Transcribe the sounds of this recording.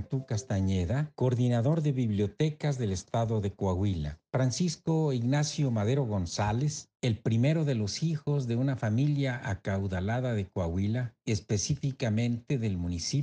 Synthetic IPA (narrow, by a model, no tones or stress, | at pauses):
t̪ukast̪aɲeðakoɾðinaðo̞ɾðe̞βiβljo̞t̪e̞kazðe̞le̞st̪aðo̞ðe̞kwaɣwila̰fɾansisko̞iɣnasjo̞maðe̞ɾo̞ɣo̞nsale̞se̞lpɾime̞ɾo̞ðe̞lo̞sixo̞zðe̞unafamiljaʔakawðalaðaðe̞kwaɣwilae̞spe̞sifikamẽ̞nt̪e̞ðe̞lmũnisi